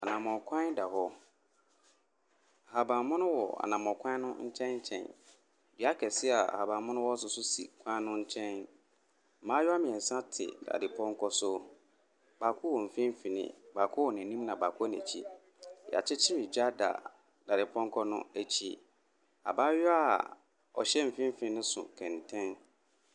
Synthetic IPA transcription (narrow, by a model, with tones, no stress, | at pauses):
a˨nã˨mɔ̃˨kʷʰã˦n˦da˨hɔ˦˨ | ha˨bã˨mʊ̃˦nʊ̃˦wɔ˨a̰˨nã˨mɔ̃˨kʰʷã˦nʊ̃˦ɲ̩˦t͡ɕʰɛ̃˦nɲ̩˦t͡ɕʰɛ̰̃˨n | di˨˦a˦kʰɛ˨sɪ˦a̰˨ha˨bã˨mʊ̃˦nʊ̃˦wɔ˦s̬ʊ˨sʊ˦sḭ˨kʷʰã˦nʊ̃˦ɲ̩˦t͡ɕʰɛ̃˦n̩˨ | mã˦jɔ˦a˦mɪ̃˨ɛ˨sã˦tʰɪ̰˨da̰˨dɪ˨pʰɔ̃˦ŋ˦kʰɔ˦sʊ˦ | ba˨kʰʊ˦wɔ˨m̩˨fĩ˦m˦fi˨nɪ̰̃˨ba˨kʰʊ˦wɔ˨nɛ̃˨nĩ˦mnã˨ba˨kʰʊ˦nɛ̰̃˨t͡ɕʰḭ˦ | ja̰˨t͡ɕʰɪ˦t͡ɕʰɪ˦mɪ̃˨d͡ʑa˦da̰˨ | d̥a˨dɪ˨pʰɔ̃˦ŋ˦kʰɔ˦nʊ̰̃˦æ˨t͡ɕʰḭ˦ | a̰˨ba˦jɔ˦a˨ | ɔ̰˨ɕɛ˦m̩˨fĩ˦m̩˦fĩ˨˦nɪ̃˦sʊ̰˨kʰɛ̃˨ntʰɛ̃˦n